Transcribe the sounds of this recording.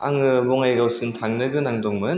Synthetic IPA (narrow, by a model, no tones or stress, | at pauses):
a̰ŋɯbɔŋajɡawsɯntʰaŋnɯɡɯnaŋdɔŋmɯn